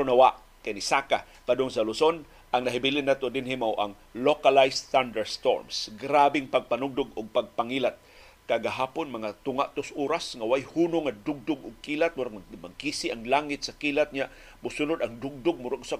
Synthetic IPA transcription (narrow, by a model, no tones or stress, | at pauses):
pɾʊnawaʔ | kajnisaka̰ | pad̪oŋsalʊson | ʔaŋnaɦɪbilɪnːat̪od̪ɪnɦimawʔaŋ | lokalajsθand̪ɛɹst̪o̰ɹmsɡɾabɪŋpaɡ̚panʊɡ̚d̪ʊɡʊɡ̚paɡ̚paŋilat̪̚ | kaɡaɦaːpʊnmɐŋat̪ʊŋaʔt̪ʊsʔuːɾasŋawajhuːnʊŋad̪ʊɡ̚d̪ʊɡʊɡ̚kiːlat̪̚waɾaŋmaɡ̚kisɪʔaŋlaŋɪt̪̚sakiːlat̪̚ɲa | mʊsʊnʊd̪ɐŋd̪ʊɡ̚d̪ʊɡ̚mʊɾʊɡsa